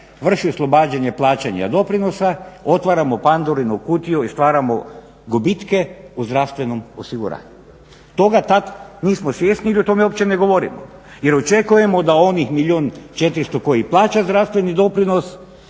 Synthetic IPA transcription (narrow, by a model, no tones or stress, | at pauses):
ʋr̩ʃioslˠo̞baːd͡ʑaɲe̞plˠaːt͡ʃaɲa̰d̪o̞pɾino̞sao̞t̪ʋaɾamopand̪oɾinukuːt̪ioist̪ʋaːɾamo | ɡobit̪ke̞uzd̪ɾaʋst̪ʋe̞nomosiɡṵɾa̰ːɲu | t̪o̞ɡat̪at̪niːsmosʋjeːsniilio̞t̪o̞meo̞pt͡ʃeneɡo̞ʋo̞ɾḭmo̰ | jeɾot͡ʃekuje̞mo̞d̪ao̞nixmiʎʲioːnt͡ʃe̞t̪ɾist̪oko̞jiplˠaːt͡ʃazd̪ɾast̪ʋe̞nid̪o̞pɾino̞s